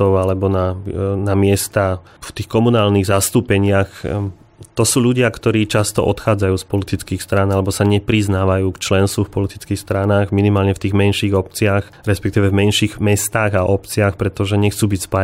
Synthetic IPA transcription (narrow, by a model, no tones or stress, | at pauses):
ɔʊalɛbɔnanamɪɛst̪a | ft̪iːxkɔmunaːlniɣzast̪uːpɛɲɪax | t̪ɔsuːʎuɟɪakt̪ɔɾiːt͡ʃast̪ɔ̰ʔɔt̪xaːd͡zajuːspɔlit̪it͡skiːxst̪ɾanalɛbɔsaɲɛpɾiznaːʋajuːkt͡ʃlɛnst̪ʋufpɔlit̪i̥t͡skiːxst̪ɾanaːɣminimaːlɲɛft̪iːɣmɛnʃiɣɔp̚t͡sɪax | ɾɛspɛk̚t̪iːʋɛvmɛnʃiɣmɛst̪aːɣaʔɔpt͡siaxpɾɛt̪ɔʒɛɲɛxt͡suːbicspa